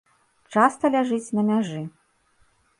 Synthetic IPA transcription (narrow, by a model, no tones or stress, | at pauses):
t͡ʂast̪ɐlʲaʐɨt͡sʲnɐmʲaʐɨ